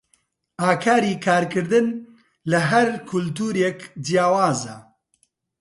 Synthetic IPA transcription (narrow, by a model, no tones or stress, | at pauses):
aːkʰaːɾiːkʰaːɾkɨɾd̪ɨn | lɐɦɐɾkʰʊlt̪uːɾekd͡ʒijaːwaːza